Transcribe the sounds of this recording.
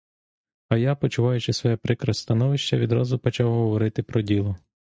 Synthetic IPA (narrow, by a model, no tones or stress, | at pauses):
ɐjapɔt͡ʃʊʋɑjʊt͡ʃɪsʋɔjɛpɾɪkɾɐsʲt̪ɐnɔʋɪʃt͡ʃɐʋʲid̪ɾɑzʊpɔt͡ʃɑwɦɔɔʋɔɾɪt̪ɪpɾɔdʲilˠʊ